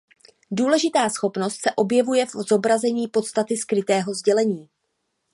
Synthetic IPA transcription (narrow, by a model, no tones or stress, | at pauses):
duːlɛʒɪt̪aːsxo̞pno̞st̪sɛʔo̞bjɛvujɛfozo̞bɾazɛɲiːpo̞t̪st̪at̪ɪskɾɪt̪ɛːɦo̞zɟɛlɛɲiː